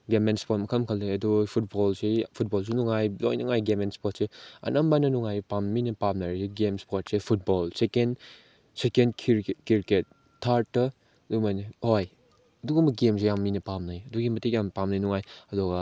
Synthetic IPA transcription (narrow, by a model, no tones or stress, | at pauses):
ɡemenspot̚mɐkʰɐmkʰɐlːeɐdupʰut̚bɔlsepʰut̚bɔls̬enuŋajlo̰jnɐŋajɡemenspot̚seɐ̰nʔɐmbanɐnuŋajpamːinɐpamnaɾseɡemspot̚sepʰut̚bɔlseken | sekenʰkiɾket̚ːʰ | aɾtːɐ | dumajnihoj | ɐduɡumɐɡems̬ejamːinɐpamnajɐduɡimɐtik̚jampamnajnuŋajɐdɔɡɐ